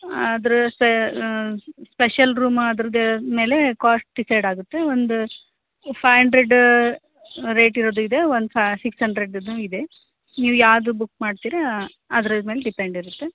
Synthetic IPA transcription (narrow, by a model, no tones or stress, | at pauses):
d̪ɾuspe | speʃɐlɾuːmɐd̪ɾɐd̪me̞ːle̞kaːsʈ̚ɖisɐjɖaːɡut̪ːe̞ond̪u | pʰɐjɐɳɖɾeɖ | ɾe̞ːʈiɾoːd̪uid̪e̞ʋond̪upʰsikshɐɳɖɾeɖɐd̪nuːid̪e̞ | niːʋujaːd̪ubukːmaːɖt̪iːɾɐ | ɐd̪ɾɐmeːleɖipeɳɖiɾut̪ːe